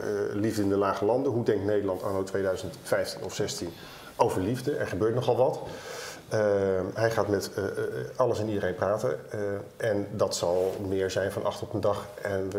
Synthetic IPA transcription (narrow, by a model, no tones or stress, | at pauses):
livdəɪndəlaːχəlɑndəɦudɛŋk̚tnejdəɹlɑntaːnowtʋejdœɥzəntfɛjftinɔfsɛstin | owvəɹlivdəʔɛ̰ɹχəbøːɹtnɔχɑlˠʋɑt | ɦɛjχaːtmɛt | ɑləsɛnidəɾejnpraːtə̰nʔɛndɑtsɑlˠmɪːɹzɛjnvɑnʔɑ̰χtɔpəndɑχɛnə